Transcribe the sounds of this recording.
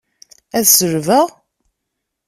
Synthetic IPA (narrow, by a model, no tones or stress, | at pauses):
æðsəɾvæ